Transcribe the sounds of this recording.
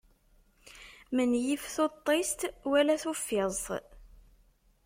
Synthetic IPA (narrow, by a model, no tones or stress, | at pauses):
mənjifθot̪ˤːest̪wælæθufːɪzˤ